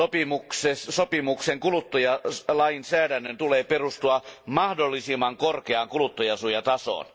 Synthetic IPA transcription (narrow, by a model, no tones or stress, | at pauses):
opimuksessopimukseŋkulut̪ːojɑlɑinsæːdænːønt̪uleːperust̪uɑmɑhdolːisimːɑŋkorkeɑŋkulut̪ːojɑsujɑt̪ɑso̰ːn